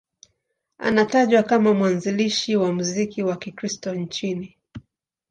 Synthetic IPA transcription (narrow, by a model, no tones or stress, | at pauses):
a̰nataʄwakamamwanziliʃiwamuzikiwakikɾistɔnt͡ʃini